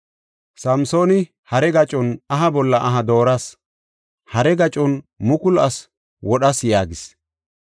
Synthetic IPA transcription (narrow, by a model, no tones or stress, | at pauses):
sɐmso̞ːnɪ | hɐɾɛɡɐt͡ʃʼɔnɐɦɐbɔlːɐʔɐɦɐd̪o̞ːɾɐs | hɐɾɛɡɐt͡ʃʼɔn | mʊkʊlɐs | wɔɗɐsjaːɡɪs